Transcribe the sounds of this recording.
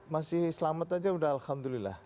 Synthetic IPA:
masɪhsəlamət̪ad͡ʒawaɖaalhamd̪ulilːa̰h

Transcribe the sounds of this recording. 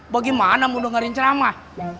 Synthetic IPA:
baɡimanamudɔŋaɾiɲt͡ʃɾama

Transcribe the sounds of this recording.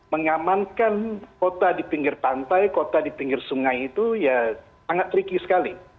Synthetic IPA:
məŋamankankot̪adipiŋɡɪrpant̪ajkot̪adipiŋɡɪrsuŋajit̪uja | aŋat̪̚ːɾikisə̥kali

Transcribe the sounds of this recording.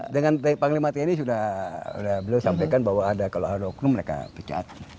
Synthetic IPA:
dəŋandəpaŋlimat̪iinis̬udahṵdahbəliawsampajkanbaɦwaadakaloadadɔknuməɾeka̰pət͡ʃa̰a̰t̪̚

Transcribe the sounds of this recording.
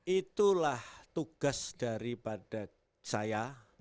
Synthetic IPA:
ʔit̪ulaht̪uɡ̥asd̥aɾipad̥a | t͡ʃaja

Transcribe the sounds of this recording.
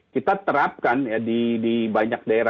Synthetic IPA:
kit̪at̪əɾap̚kanjadidibaɲak̚daeɾa

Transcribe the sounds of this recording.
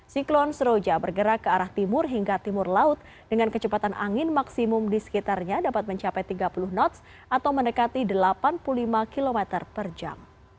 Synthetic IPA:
siklɔnsəɾod͡ʒabərɡəɾakːəaɾaht̪imʊrɦiŋɡat̪imʊrlaʊt̪̚ | d̥əŋankət͡ʃəpat̪anʔa̰ŋɪnmaksimʊmdisə̥kit̪arɲadapat̪̚məɲt͡ʃapajt̪iɡapulʊhnɔt̪s | ʔat̪awməndəkat̪idəlapanpuulimakilomɛt̪ərpərd͡ʒa̰m

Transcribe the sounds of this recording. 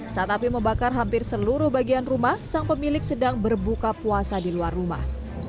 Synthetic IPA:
sat̪apiməmbakarɦampɪrsəluɾʊhbaɡianrumahsaŋpəmilɪk̚sədaŋbərbukapuasadiluarːuma̰h

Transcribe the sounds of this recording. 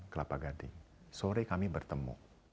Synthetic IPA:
kəlapaɡadḭ | soɾekamibərt̪əmṵ

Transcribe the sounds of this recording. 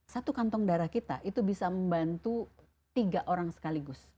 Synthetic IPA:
sat̪ukant̪ɔŋdaɾahkit̪a̰ʔit̪ubisaməmbant̪u | t̪iɡaʔoɾaŋsə̥kaliɡʊs

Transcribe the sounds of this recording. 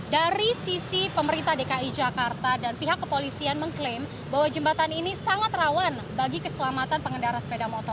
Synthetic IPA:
daɾisisipəməɾint̪ahdekaid͡ʒakart̪adanpiɦakːəpolisianməŋklɪm | baɦwad͡ʒəmbat̪aninisaŋat̪rawan | baɡikəsəlamat̪anpəŋəndaɾasə̥pedamɔt̪ɔr

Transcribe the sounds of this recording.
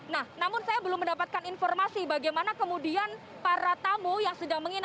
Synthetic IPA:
nahnamʊnsajabəlʊməndapat̪̚kaninfɔrmasibaɡajmanakəmudian | paɾat̪amujaŋsədaŋməŋin

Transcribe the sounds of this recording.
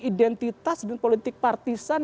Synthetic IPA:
idɛnt̪it̪asdanpolit̪ɪk̚part̪isan

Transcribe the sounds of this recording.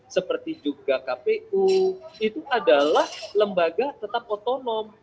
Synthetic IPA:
səpərt̪id͡ʒuɡakapeuit̪uʔadalahləmbaɡat̪ət̪ap̚ot̪onɔm

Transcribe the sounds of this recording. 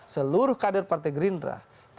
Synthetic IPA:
səluɾʊhkadɛrpart̪ɛɡɾindra̰ | t̪

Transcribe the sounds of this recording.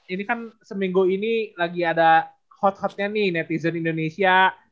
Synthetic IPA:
inikansəmiŋɡuinilaɡiada | hɔt̪̚hɔt̪̚ɲanihnɛt̪izənindonesia

